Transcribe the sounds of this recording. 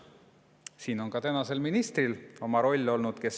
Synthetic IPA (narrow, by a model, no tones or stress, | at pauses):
siːno̞nkɑt̪ænɑse̞lminist̪rilo̞mɑɾo̞lʲːo̞lnud̪̥ke̞s